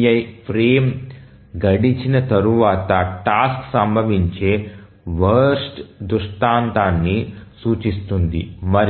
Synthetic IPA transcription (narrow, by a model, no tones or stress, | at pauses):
jɐjpʰɾeːm | ɡɐɽit͡ʃinɐt̪ɐɾuʋaːt̪ɐʈaːsksɐmbʱɐʋiɲt͡ʃeː | ʋɐɾɾsʈd̪uʂʈaːnt̪aːnːisuːt͡ʃist̪und̪ḭmɐɾ